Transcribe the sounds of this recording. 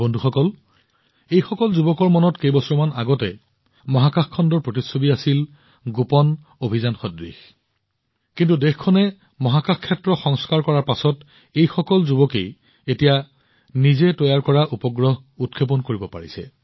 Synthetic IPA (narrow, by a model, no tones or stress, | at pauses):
bondʱuxɔkɔl | ejxɔkɔlzubɔkɔɹmɔnɔtkejbɔsɔmana̰ɡɔtɛ | mɔɦakaxkʰːɔndɔɹpɹotisobiasil | ɡupɔn | obʱizanxɔdɹḭx | kintudexkʰɔnɛ | mɔɦakaxkʰːɛtɹɔxɔŋskaɹkɔɹaɹpasɔt | ejxɔkɔlzubɔkḛj | etija | nizɛtɔjaɹkɔɹaʔupɔɡɹɔɦ | utkʰep̬ɔnkoɹibɔpa̰ɹisɛ̰